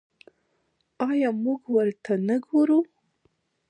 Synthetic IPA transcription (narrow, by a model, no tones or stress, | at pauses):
ɑjɑmuɡwəɾt̪ʰanaɡoɾu